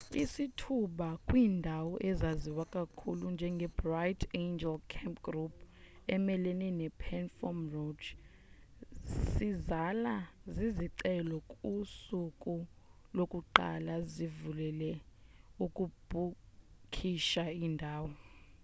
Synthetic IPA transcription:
isitʰuɓakʼwiːndʱawɔʔɛzaziwakʼakʰulund͡ʒʱɛŋɡʱɛbrajtʰend͡ʒɛlkʰɛmpɡrup̚ʰ | ɛmɛleninɛpʰɛnfɔmrod | sizalaziziǀɛlɔkʼusukʼulokʼuǃa̰lazivulɛlɛukʼub̥ʱukʰiʃaiːndʱaːwɔ

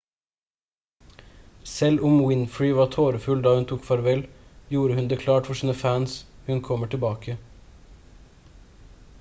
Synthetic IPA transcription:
sɛlʊmwɪnfɹɪʋɑːt̪ʰoːɾəfʉld̪ɑːʉnt̪ʰuːkfɑɾʋɛljuːɾəhʉnd̪eːkʰlɑːʈfɔʃiːnəfæːnshʉnkʰɔməʈʰɪlbɑːkʰə

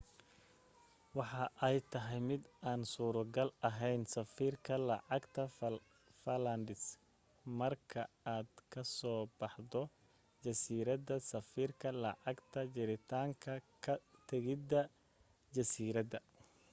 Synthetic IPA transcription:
wɑħɑʔɛjt̪ʰɐɦɛjmɪd̪aːnsuːɾʊɡɐlɐɦɛjnsɐfiːrkʰɐlɐʕɑɡt̪ʰɐ | fɐlɐnd̪ɪs | mɐrkʰɐ | aːd̪kʰɐsɔːbɑħd̪ɔ | d͡ʒɐsiːɾɐdɐsɐfiːrkʰɐlɐʕɑɡt̪ʰɐd͡ʒɪɾɪt̪ʰaːŋkʰɐkʰɐt̪ʰɐɣɪd̪ɐ | d͡ʒɐsiːɾɐd̪ɐ

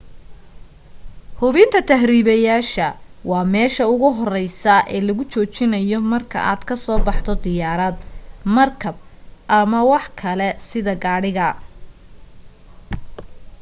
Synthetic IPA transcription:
hʊβɪnt̪ʰɐt̪ʰɐɦɾiːβɐjaːʃɐwɑːmɛːʃɐʊɣʊɦɔrɛjsɐʔɛːlɐɣʊt͡ʃɔːt͡ʃɪnɐjɔmɐrkʰɐ̰ʔaːd̪kʰɐsɔːbɑħt̪ɔd̪ɪjaːɾɐd̪mɐrkʰɐb̚ʔɐmɐwɑħkʰɐlɛsɪðɐɡaːɽɪɣɐ

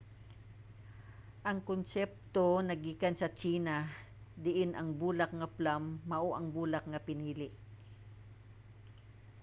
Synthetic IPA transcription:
ʔɐŋkonsɛp̚t̪o̞nɐɡiːkɐnsɐt͡ʃiːnɐ | d̪ɪʔɪnʔɐŋbuːlɐk̚ŋɐplamːɐʔoʔɐŋbuːlɐk̚ŋɐpɪniːlɪʔ

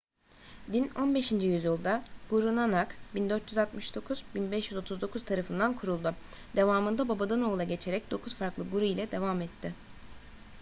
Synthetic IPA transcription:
d̪ino̞nbe̞ʃind͡ʒijyzjilˠd̪aɡ̥uɾunanakbind̪ø̞ɾt̪jyzat̪mɯʃd̪o̞kʰuz̥binbɛʃjyzo̞t̪ʰuzd̪o̞kʰuz̥t̪ʰaɾafɯnd̪ankʰuɾulˠd̪u | d̪̥e̞vaːmɯnd̪ababad̪ano̞ːlˠaɟe̞t͡ʃʰe̞ɾɛc̚d̪o̞kʰuz̥faɾklˠɯɡuɾuilʲɛd̪e̞vamɛt̪ʰːɪ

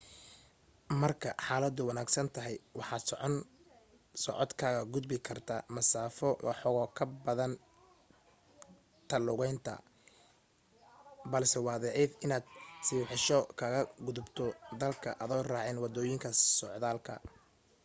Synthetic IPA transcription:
mɐrkʰɐħɑːlɐd̪ʊwɑnaːɡsɐnt̪ʰɐɦɛjwɑħɑːd̪sɔʕɔn | sɔ̰ʕɔd̪kʰaːɣɐɡʊd̪bɪkʰɐrt̪ʰamɐsaːfɔwʔɑ̰ħɔɣɔːkʰɐbɐðɐn | t̪ʰɐlʊɣɛjnt̪ʰɐ̰ | bɐlsɛwɑːðɛʕɛθɪnaːd̪sɪːwħɪʃɔkʰɐɣɐɡʊðʊbt̪ʰɔd̪ɐlkʰɐʔɐðɔːraːʕɛːnwɑd̪ɔːjɪŋkʰɐsɔʕðaːlkʰɐ̰

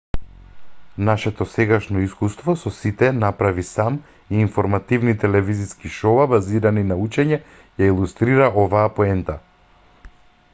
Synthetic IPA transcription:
naʃɛt̪ɔsɛɡaʃnɔiskust̪vɔsɔsit̪ɛnapɾavisam | iːnfɔɾmat̪ivnit̪ɛlɛviziskiʃɔabaziɾaninaut͡ʃɛɲɛ | jailˠust̪ɾiɾaʔɔvaːpɔɛnt̪a

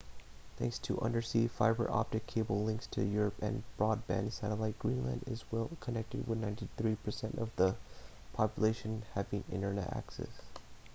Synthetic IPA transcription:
θæ̰̃ŋkstʰɨʔʌ̃ndə˞sifaɪbə̰˞ʔɑ̰p̚tɨkʰeɪbl̩ˠlɪ̃ŋkstʰɨjʊɹəpɨ̰̃nb̥ɹɔd̚bæ̰̃nsæɾəlaɪt̚ɡ̥ɹĩnlɨ̰̃ndɨ̰zwɛlˠkʰənɛk̚tɨd̚wɨðnãɪ̃ntiθɹipʰə˞sɛ̃ntʌvðə | pʰɑpjəleɪʃɨ̃nhævɪ̃ŋɪ̰̃ñtə˞nɛ̰ɾæ̰ksɛ̰s

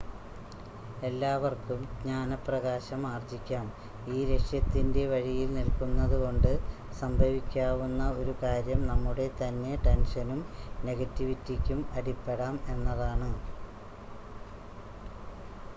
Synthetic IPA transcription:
e̞lːaːʋɐrkumɲaːnɐprɐɣaːɕɐmaːrd͡ʑikʲːaːm | iːɾe̞ʂjɐt̪ːinde̞ʋɐɻijilnilkunːɐðuko̞ɳɖɨsɐmbʱɐʋikʲːaːʋunːɐo̞ɾukaːɾjɐmnɐmːuɽe̞t̪ɐnːe̞ʈe̞nʂɐnumne̞ɣɐtːiʋitːikʲːumɐɽipːe̞ɽaːme̞nːɐðaːɳɨ

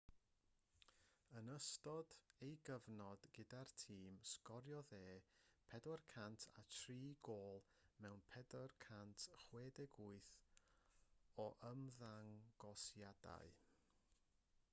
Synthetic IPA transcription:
ənəstɔdejɡəvnɔd̥ɡədartʰiːmskɔɾjɔðeːpʰɛdɔrkʰantʰa̰tʰriːɡoːlˠ | mɛwnpʰɛdɔrkʰantʰχweːdɛɡʊɨθ | ɔʔəmðaŋɡ̥ɔsjada̰ɨ

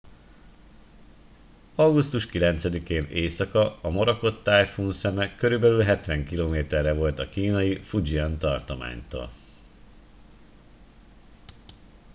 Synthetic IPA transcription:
ɒɡust̪uʃkilɛnt̪sɛd̪ikeːneːsɒkɒɒmoɾɒko̞t̪ːaːjfuːnsɛmɛkø̞ɾybɛlylɦɛt̪ʋɛŋkiloːmeːt̪ɛrːɛvo̞lt̪ɒkiːnɒjifud͡ʒiɒnt̪ɒrt̪oma̰ːɲt̪o̰ːl

